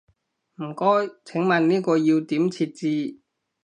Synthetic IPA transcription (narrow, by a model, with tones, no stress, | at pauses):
m̩˨˩kɔː˥jt͡sʰɪ˨˥ŋmɐ˨˩nniː˥kɔː˧jiː˧wt̪iː˨˥mt͡sʰiː˧t̚t͡siː˧